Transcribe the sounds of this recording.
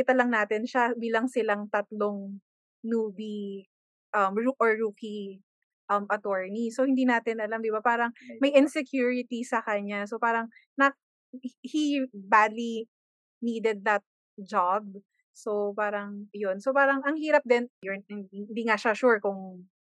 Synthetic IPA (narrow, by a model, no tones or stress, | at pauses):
ɪt̪ɐlɐŋnaːt̪ɪnʃabiːlɐŋsɪlaŋt̪ɐt̪loŋ | nuːbi | ʔɐmɹuʔɔɹːuːki | ʔɐmʔɐt̪oɹnisohɪnd̪inaːt̪ɪnʔɐlamd̪ɪbapaːɾɐŋmɐjʔɪnsɛkjuːɹɪt̪isɐkɐɲasopaːɾɐŋ | nɐ | hibad̪li | niːd̪ɛd̪̚ːɐt̪̚ | d͡ʒab̚ | sopaːɾɐŋjonsopaːɾɐŋɐŋhiːɾɐp̚d̪ɛnjʊnnd̪iŋaʃaʃuɹkʊŋ